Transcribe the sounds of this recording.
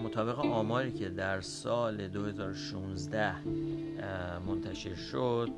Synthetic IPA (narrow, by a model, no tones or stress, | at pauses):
mot̪ʰɒːbe̞ɣeʔɒːmɒːɾiːcʰe̞d̪æɾsɒːle̞d̪ohe̞zɒːɾoʃunzd̪æh | mo̞nt̪ʰæʃe̞ɾʃod̪̥